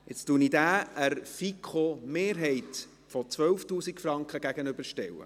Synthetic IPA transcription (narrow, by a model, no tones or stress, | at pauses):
ɪt͡stunidæːəɾfikʰomeːɾɦɛɪt | fɔt͡sʋœwftuːsikfrɑŋkχəɡæɡənʏb̥əɾʃtɛ̰wːə̰